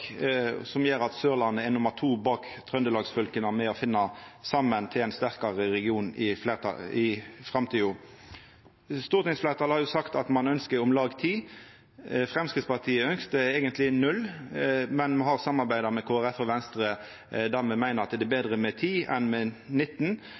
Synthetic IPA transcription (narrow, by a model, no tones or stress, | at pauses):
sɔmjeːɾɑt̪søːʁlɑnːəɛnʊməʁt̪ʰuːbɑːkt̪ʰʁœnd̪əlɑːɡsfœlkənəmɛɔfɪnːɑsɑmːənt̪ʰɪlæɪnst̪æʁkɑʁəɾɛɡɪuːnɪfleːt̪ɪfʁɑmt̪ʰiːʊ | st̪uːʁt̪ɪŋsfleːʁt̪ʰɑːlhɑɾjʊsɑkt̪ɑt̪mɑnœnskəɾʊmlɑːɡt̪ʰiː | fɾɛmskɪd̪spɑʁt̪ʰiːəœŋkst̪əɛːɡənt̪lɪnʉl | mɛnmɦɑʁsɑmːɑɾbæɪd̪ɑɾmɛkʰoːæʁɛfːɔʋɛnst̪ɾə | d̪æʁmɛmæɪnəɾɑt̪d̪ɛbeːd̪ʁəmɛt̪ʰiːɛ̰nmɛnɪt̪ːn̩